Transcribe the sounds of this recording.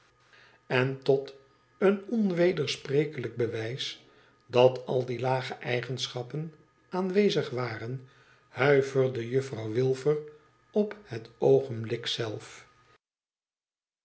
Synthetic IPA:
ɛntɔt | ənɔnʋejdəɹsprejkələɡ̚bəʋɛjs | dɑtʰɑlˠdilaːχəʔɛjχənsχɑpən | aːnʋejzəχʋaːrən | hœɥvəɹdəjɵfrɑwʋɪlˠvər | ɔphətowχənblɪksɛlˠf

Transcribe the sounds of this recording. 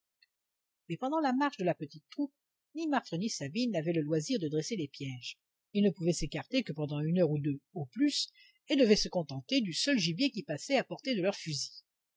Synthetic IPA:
mɛpɑ̃d̪ɑ̃lamaʁʃd̪əlapət̪it̪ːχup̚ | nimaʁt̪χənisabinːavɛləlwaziʁd̪əd̪ʁeselepjɛʒ | ilnəpuvɛsekaʁt̪ekəpɑ̃d̪ɑ̃ynœʁud̪øoplys | ed̪əvɛsəkɔ̃t̪ɑ̃t̪ed̪ysœlʒibjekʲipasɛapɔʁt̪ed̪əlœʁfyzi̥

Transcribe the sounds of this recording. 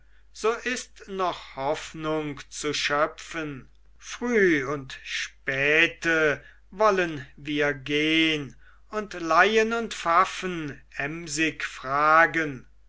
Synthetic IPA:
z̥oːʔɪstnɔχhɔfnʊŋkt͡suʃœfən | fʁ̥yːʊntʃpɛːtə | vɔlənviːɐɡeːən | ʊntlajənʊntfafənɛmzɪkfʁ̥aːɡən

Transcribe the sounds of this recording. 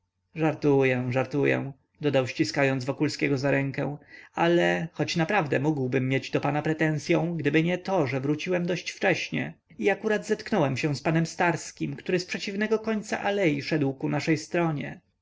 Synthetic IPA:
ʐaɾt̪ujɛ̃ʐaɾt̪ujɛ̰̃ | d̪ɔd̪awɕt͡ɕiskajɔnd̪zvɔkulskʲɛɡɔzaɾɛŋkɛw̃alɛxɔt͡ɕnapɾavd̪ɛmuɡwbɘmːjed͡ʑd̪ɔpanapɾɛt̪ɛnsʲjɔ̃w̃ɡd̪ɘbɘɲɛt̪ɔʐɛvɾut͡ɕiwɛmd̪ɔɕt͡ɕft͡ʂɛɕɲɛ̰ | iakuɾad̪zɛt̪knɔwɛmɕɛw̃spanɛmst̪aɾskʲimkt̪uɾɘspʂɛt͡ɕivnɛɡɔkɔɲt̪sa̰ʔalɛjiʂɛd̪wkunaʂɛjst̪ɾɔɲɛ

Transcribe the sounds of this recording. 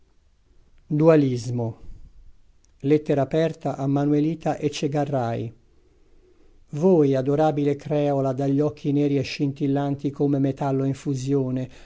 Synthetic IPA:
d̪ualizmo | let̪ːeɾaːpɛrt̪aʔamːanueliːt̪aʔet͡ʃːeɡarːaj | vojad̪oɾaːbilekɾɛːolad̪aʎːɔkʰːinɛːɾieʃːint̪ilːant̪ikomemet̪alːoiɱfuzjoːne

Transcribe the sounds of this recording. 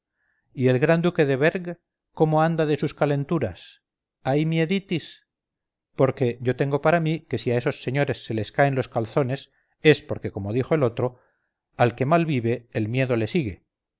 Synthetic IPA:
ie̞lɣɾand̪uke̞ðe̞βe̞ɾɣ | ko̞mo̞and̪aðe̞suskale̞nt̪uɾas | ajmje̞ðit̪is | po̞ɾke̞ʝo̞t̪e̞ŋɡo̞paɾamike̞siae̞so̞sːe̞ɲo̞ɾe̞sːe̞le̞skaenlo̞skalθo̞ne̞s | e̞spo̞ɾke̞komo̞ð̞ixo̞e̞lo̞t̪ɾo̞ | alke̞malβiβe̞ːlmje̞ðo̞le̞siɣe̞

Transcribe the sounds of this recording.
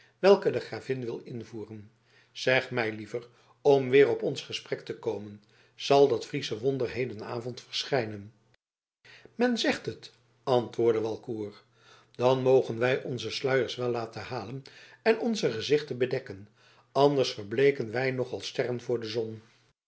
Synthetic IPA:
ʋɛlˠkədəχraːvɪnʋɪlˠɪnvuːrən | z̥ɛχmɛjlivər | ɔmʋɪːrɔpɔnsχəsprɛktəkowmən | z̥ɑlˠdɑtfrisəʋɔndərɦejdəna̰ːvɔntfərsχɛjnən | mɛnzɛχtət | ɑntʋʊːɹdəʋɑlˠkuːr | d̥ɑnmowχənʋɛjʔɔnzəslœɥəɹsʋɛlːaːtəhaːlənɛnɔnzəχəzɪχtənbədɛkən | ɑndəɹsfəɹblejkənʋɛjnɔχɑlˠstɛrənvʊːɹdəzɔn

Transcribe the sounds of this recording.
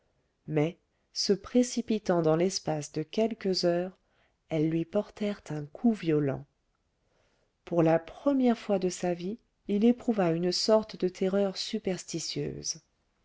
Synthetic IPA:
mɛ | səpχesipit̪ɑ̃d̪ɑ̃lɛspasd̪əkʲɛlkəzœːʁ | ɛlːɥipɔʁt̪ɛʁt̪ɛ̃kʰuvjɔlɑ̰̃ | puʁlapχəmjɛʁfwad̪əsavi | ilepχuvaynsɔʁt̪d̪ət̪ʰeʁœʁsypɛʁst̪isjø̰ːz

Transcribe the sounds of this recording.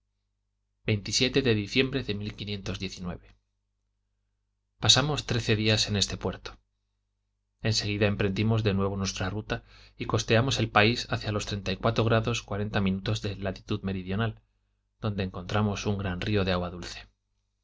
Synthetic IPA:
be̞jnt̪isje̞t̪e̞ðe̞ðiθje̞mbɾe̞ðe̞milkinje̞nt̪o̞zðje̞θinwe̞̰βe̞ | pasamo̞st̪ɾe̞θe̞ðiase̞ne̞st̪e̞pwe̞ɾt̪o̥ | e̞nse̞ɣ̞iðae̞mpɾe̞nd̪imo̞zðe̞nwe̞β̞o̞nwe̞st̪ɾarut̪a | iko̞st̪e̞amo̞se̞lpaisaθjalo̞st̪ɾe̞nt̪aikwat̪ɾo̞ɣɾaðo̞skwaɾent̪amĩnut̪o̞zðe̞lat̪i̥t̪uðme̞ɾiðjo̞nal | d̪̥o̞nd̪e̞ːŋko̞nt̪ɾamo̞suŋɡɾanrio̞ðeaɣwaðulθe̞̥

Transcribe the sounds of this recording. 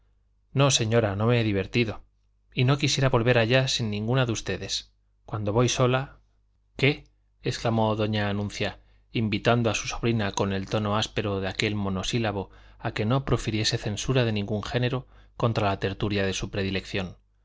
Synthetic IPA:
no̞se̞ɲo̞ɾano̞meeðiβ̞e̞ɾt̪iðo̞ | ino̞kisje̞ɾaβo̞lβe̞ɾaʎasinːĩŋɡunaðust̪e̞ðe̞s | kwand̪o̞βo̞jso̞la | ke̞ː | sklamo̞ðo̞ɲaːnũnθja | imbit̪and̪oasu̥so̞β̞ɾinako̞ne̞lt̪o̞no̞aspe̞ɾo̞ðeake̞lmo̞no̞silaβ̞o̞ake̞no̞pɾo̞fiɾje̞se̞θe̞nsuɾaðe̞nĩŋɡuŋxe̞ne̞ɾo̞ | ko̞nt̪ɾalat̪e̞ɾt̪uɾjaðe̞supɾe̞ðile̞kθjo̞n

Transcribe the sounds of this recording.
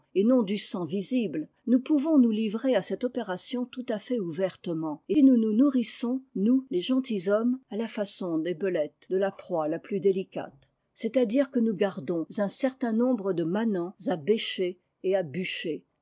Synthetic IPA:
enɔ̃d̪ysɑ̃vizibl | nupuvɔ̃nulivʁeasɛt̪ɔpeʁasjɔ̃t̪ut̪afɛuvɛʁt̪əmɑ̃enununuʁisɔ̃nuleʒɑ̃t̪izɔmalafasɔ̃d̪ebəlɛt̪d̪əlapχwalaplyd̪elika̰t̪ | sɛt̪ad̪iʁkənuɡaʁd̪ɔ̃zɛ̃sɛʁt̪ɛ̃nɔ̃bʁəd̪əmanɑ̃zabeʃeː | abyʃe

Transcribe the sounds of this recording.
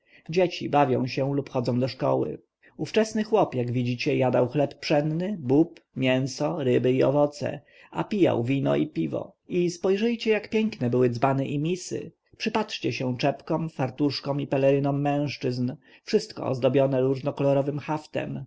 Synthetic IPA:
d͡ʑet͡ɕḭbavʲjɔ̰̃w̃ɕɛlupxɔd̪zɔ̃w̃d̪ɔʂkɔ̰wɘ̰ | uft͡ʂɛsnɘxwɔpjaɡvʲid͡ʑit͡ɕɛjad̪awxlɛpːʂɛnnɘbupmʲjɛñsɔɾɘbɘiɔ̰vɔt̪sɛ̰ | a̰pʲija̰wvʲinɔ̰ipʲivɔ̰ispɔjʐɘjt͡ɕɛjakpʲjɛŋknɛbɘwɘd̪zbanɛʔimʲisɘ̰ | pʂɘpatʂt͡ɕɛɕɛ̃t͡ʂɛpkɔmfaɾt̪uʂkɔmipɛlɛɾɘnɔmːɛ̃w̃ʂt͡ʂɘzn | fʂɘst̪kɔ̰ɔ̰zd̪ɔbʲjɔnɛɾuʐnɔkɔlɔɾɔvɘmxaft̪ɛ̰m

